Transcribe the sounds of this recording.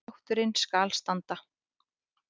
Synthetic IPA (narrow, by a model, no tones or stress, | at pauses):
wht̪ʏɾɪnskaːlst̪ant̪a